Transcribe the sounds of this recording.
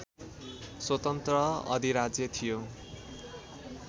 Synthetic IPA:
swʌt̪ʌnt̪rʌʌ̰d̪ʱiɾad͡zjʌt̪ʰijo

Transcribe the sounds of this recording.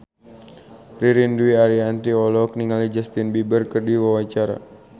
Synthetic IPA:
riɾinduiaɾiant̪iɔlɔk̚niŋalid͡ʒast̪inbibərkərdiwawat͡ʃaɾa̰

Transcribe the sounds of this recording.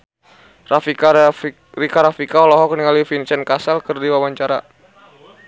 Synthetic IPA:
rafi | rikaɾafikaɔlɔɦɔkniŋalifint͡ʃɛnkasalkɨrdiwawaɲt͡ʃaɾa̰

